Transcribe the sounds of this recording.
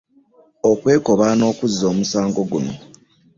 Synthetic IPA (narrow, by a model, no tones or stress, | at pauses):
okwe̞ːko̞βano̞ːkuzːo̞ːmusaːŋɡo̞ɡuno̰